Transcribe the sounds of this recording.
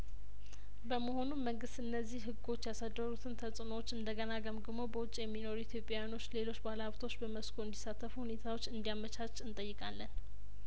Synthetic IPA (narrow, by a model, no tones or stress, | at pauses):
bəməho̞nummːəŋɡɨst̪ʔɨnːəzːihɦɨɡo̞t͡ʃːjasad̪əɾut̪ʰɨnt̪ʰəsʼɨnowt͡ʃːɨnd̪əɡənaɡəmɡɨmobəwʊt͡ʃʼjɛmːino̞ɾuit̪ʰjo̞pʼjajano̞t͡ʃːle̞lo̞t͡ʃːbalaβt̪ʰo̞t͡ʃːbəməskʰoɨnd̪isːat̪ʰːəfuhune̞t̪ʰawo̞t͡ʃːɨnd̪ijamət͡ʃat͡ʃʼːɨnt̪ʼəjːɨkʼalːən